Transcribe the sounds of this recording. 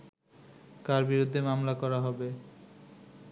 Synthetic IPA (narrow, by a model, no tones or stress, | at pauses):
kaɾbiɾud̪ʱːemamlakɔɾaɦɔbe